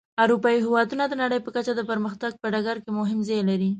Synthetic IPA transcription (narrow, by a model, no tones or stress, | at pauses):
awɾupɑiɦɪwɑd̪unad̪ənaɽəjpəkat͡ʃad̪əpəɾməxt̪aɡ̚pəɖaɡaɾkemʊɦɪmzɑjlaɾi